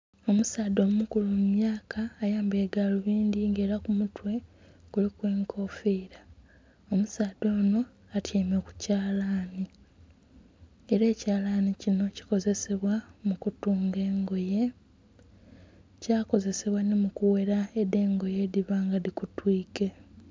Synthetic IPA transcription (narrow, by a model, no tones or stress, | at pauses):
o̞musaːdo̞mumukulumumjaːkaːjaːmbe̞ːɡaloβiːndiŋɡe̞ːɾakumutwe̞ | kulikwe̞ːŋkʰo̞fiɾa | omusaːd̪o̞ːno̞ | atʰjeːmeku̥caːlaːni | eɾe̞ːcaːlaːnicino̞ci̥ko̞ze̞se̞βwamukutuːŋɡe̞ːŋɡo̞je̞ | caːko̞ze̞se̞βwanimukuwe̞ɾaede̞ːŋɡo̞je̞diβaːŋɡaðikutwiːke̞